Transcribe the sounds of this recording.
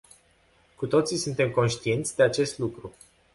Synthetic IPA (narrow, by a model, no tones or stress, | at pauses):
kut̪o̞t̪sisunt̪e̞mko̞nʃt̪ie̞nt̪sʲd̪e̞at͡ʃe̞st̪lukɾu